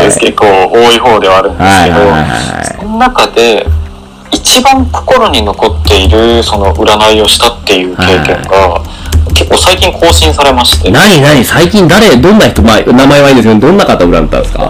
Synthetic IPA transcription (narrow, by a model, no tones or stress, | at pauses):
ekekːoːoːiɦo̞ːd̪e̞βaːɾɯ̟̃nheasikehad̪o̞a̰iha̰a̰sononakad̪e̞ | it͡ɕibãŋko̞̥ko̞ɾo̞ɲ̟ino̞ko̞t̪ːe̞iɾɯ̟so̞no̞ʔɯ̟ɾanaio̞ɕi̥t̪at̪ːe̞jɯ̟ːake̞ːkẽ̞̰ŋɡa | ke̞kːo̞ːsaikʲĩŋkʰo̞ːɕĩɰ̃saɾe̞maɕi̥t̪enaɲinaɲ̟isaikʲĩnd̪aɾe̞d̪õ̞nːaçi̥t̪omanamaeβaĩːnd̪esɨjoned̪õ̞nːakat̪aɯ̟ɾa̰nd̪et̪ːã̰sɨ̥ka̰